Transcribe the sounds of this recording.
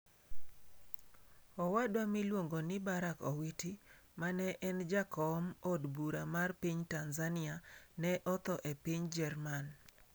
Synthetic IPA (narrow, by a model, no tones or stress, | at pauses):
ɔwadwamilwoŋɡonɪbaɾakɔwitimanɛʔɛnd͡ʒakɔmodbuɾamarpiɲtanzanɪanɛʔɔt̪ɔʔepiɲd͡ʒɛrman